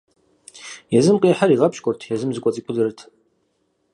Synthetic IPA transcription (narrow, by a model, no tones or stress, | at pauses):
jɛzɨmqʼeːħaɾiːʁɐpʰɕkʷʼɔrtʰjɛzɨmzɨkʼɔɐt͡sʼiːkʷʼʊdɨrɨtʰ